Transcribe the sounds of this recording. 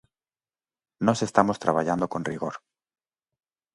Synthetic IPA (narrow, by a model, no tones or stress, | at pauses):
nɔsest̪amost̪ɾaβaʎand̪okõnriɣoɾ